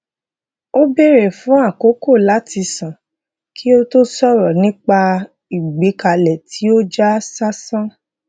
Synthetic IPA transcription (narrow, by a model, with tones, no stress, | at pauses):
o˦be˦ɾe˨fũ˨˦a˦˨ko˨˦ko˦˨la˨˦tʰi˧sã˨ | kʰi˦o˦to˦sɔ˦ɾɔ˨nĩ˦k͡pa˧ | i˨ɡ͡be˨˦ka˧lɛ˨tʰi˨˦o˦d͡ʒa˦sa˦sã˦